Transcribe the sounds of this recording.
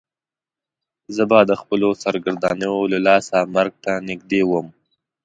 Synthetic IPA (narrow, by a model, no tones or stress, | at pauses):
zəbad̪əxpəlosaɾɡaɾd̪ɑnəjolalɑsamaɾɡ̚t̪anɪɡ̚d̪ewəm